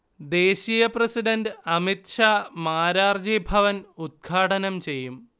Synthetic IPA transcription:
d̪e̞ːɕijɐprɐsiɖɐnɖɨɐmit̪ʂaːmaːɾaːrd͡ʑibʱɐʋɐnud̪̚ɡʱaːʈɐnɐmt͡ɕe̞jːum

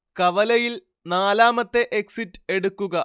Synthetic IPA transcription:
kɐʋɐlɐjil | naːlaːmɐt̪ːe̞ʔeksitːɨe̞ɽukːuɣɐ

